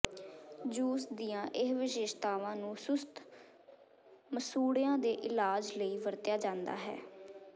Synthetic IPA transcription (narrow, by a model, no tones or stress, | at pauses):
d͡ʒuːsd̪ijãːʔɪɦʋɪʃeːʃt̪aːʋãːnũːsʊst̪ʰ | məsuːɽɪjãːd̪eːʔɪlaːd͡ʒləiːʋəɾt̪jaːd͡ʒãːnd̪a̰ːɦɛ̰ː